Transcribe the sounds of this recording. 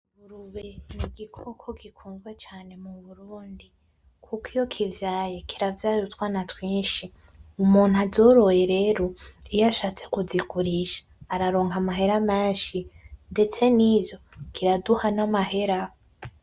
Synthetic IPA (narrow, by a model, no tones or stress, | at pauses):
βuɾuβeniɡikʰokʰo̞kikʰuːŋɡwe̞t͡ʃaːne̞muβuɾuːndi | kʰukijo̞kʰivjaːjekʰiɾavjaːɾutwanatwiːnʃi | umuːn̥azo̞ɾo̞je̞ɾe̞ːɾo̞ijaʃaːt͡se̞̥kuzikuɾiʃḁː | ɾaɾoːŋɡamaɦe̞ɾameːnʃinde̞t͡se̞nivjo̞kʰiɾaduhanamahe̞ɾa